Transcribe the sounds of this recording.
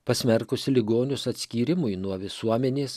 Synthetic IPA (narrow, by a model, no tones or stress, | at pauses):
pɐsʲmʲɛɾkʊsʲɪlʲɪɡoːnʲʊsɐt̪ʲsʲkʲiːɾʲɪmʊjnuɔʋʲɪsuɔmʲɛnʲeːs